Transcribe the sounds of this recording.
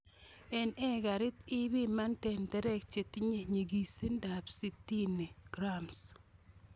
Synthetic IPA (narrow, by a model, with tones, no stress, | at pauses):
ɛ˨nɛ˦ɡa˨ɾɪ˦t̪ɪ˦bi˦ma˦ntɛ˨ntɛ˦ɾɛ˦k̚t͡ʃe˨ti˦ɲe˦ɲe˨ɡi˨se˦nda˨psi˦tːi˦ne˨ɡ̥ɾams